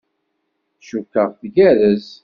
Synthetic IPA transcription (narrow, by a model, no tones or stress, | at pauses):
ʃukːəʁθɡæɾəz